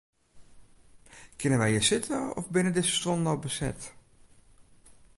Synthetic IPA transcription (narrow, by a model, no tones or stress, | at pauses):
kʰɪnənʋɛjəsɪtʰəɔ̰fbɪnədɪsə̥stɔnnɔwbəsɛ̰t